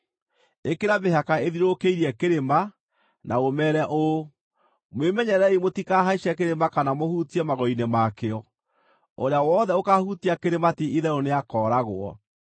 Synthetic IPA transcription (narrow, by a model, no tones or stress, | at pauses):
ekeɾabeɦakaeðiɾokeiɾiɛkeɾema | nʔaomɛɾɛʔo | mwemɛɲɛɾɛimotikaɦaiʃɛk̬eɾemakanamohutiɛmaɣɔinemakeɔ | oɾeawɔːðɛokahutiakeɾematiiðɛɾoneakɔːɾaɣwɔ̰